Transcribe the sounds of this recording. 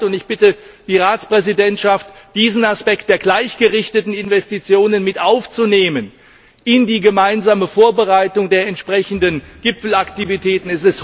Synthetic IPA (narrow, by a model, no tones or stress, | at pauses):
tʊntɪçb̥ɪtə | d̥iːʁaːt͡spʁ̥ɛzidɛntʃaftd̥iːzn̩aspɛk̚t̚d̥eːɐɡlaɪçɡ̥əʁɪçtətn̩ɪnvɛstit͡sjoːnənmɪtʔaʊft͡suneːmən | ʔɪndiːɡəmaɪnzaːməfoːɐbəʁaɪtʊŋdeːɐɛntʃpʁ̥ɛçn̩dənɡ̥ɪpfl̩aktivitʰɛːtn̩ɛstɪst